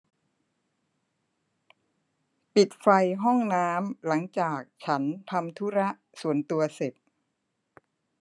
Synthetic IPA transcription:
pi˨˩t̪̚fa˧jɦɔ˥˩ŋnaː˦˥mla˩˦ŋt͡ɕaː˨˩k̚t͡ɕʰa˦˥nt̪ʰa˧mt̪ʰu˦˥ɾa˦˥ʔsu˨˩ənt̪u˧ɐse˨˩t̪̚

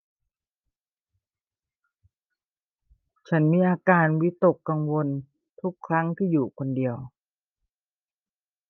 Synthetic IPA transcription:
t͡ɕʰa˦˥nmiː˧ʔaː˧kaː˧nwi˦˥t̪o˨˩kːa˧ŋwo˧n | t̪ʰu˦˥kʰːɾa˦˥ŋt̪ʰiː˥˩juː˨˩kʰo˧ndi˧əw

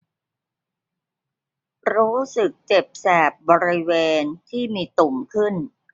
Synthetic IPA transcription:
ɾuː˦˥sɯ˨˩k̚t͡ɕe˨˩p̚sɛː˨˩p̚bɔː˧ɾi˦˥weː˧nt̪ʰiː˥˩miː˧t̪u˨˩mkʰɯ˥˩n

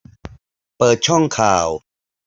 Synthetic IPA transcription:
pɤː˨˩t̪̚t͡ɕʰɔ˥˩ŋkʰaː˨˩w

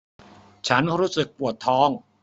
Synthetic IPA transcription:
t͡ɕʰa˦˥nɾuː˦˥sɯ˨˩k̚pu˨˩ət̪ʰːɔː˦˥ŋ

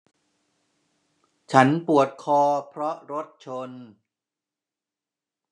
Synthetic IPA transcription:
t͡ɕʰa˦˥npu˨˩ət̪̚kʰɔː˧pʰɾɔ˦˥ʔɾo˦˥t̪̚t͡ɕʰo˧n

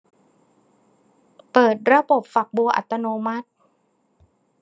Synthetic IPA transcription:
pɤː˨˩t̪̚ɾa˧bo˨˩p̚fa˨˩k̚bu˧ʔa̰˨˩t̪ːa˧noː˧ma˦˥t̪̚

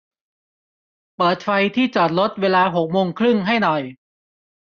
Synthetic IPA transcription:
pɤː˨˩t̪̚fa˧jt̪ʰiː˥˩t͡ɕɔː˨˩t̪̚lo˦˥t̪̚weː˧laː˧ɦo˨˩k̚moː˧ŋkʰɾɯ˥˩ŋɦa˥˩jnɔ˨˩j

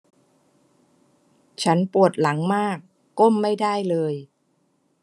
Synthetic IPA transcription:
t͡ɕʰa˦˥npu˨˩ət̪̚la˩˦ŋmaː˥˩kː | o˥˩mːa˥˩jda˥˩jlɤː˧j

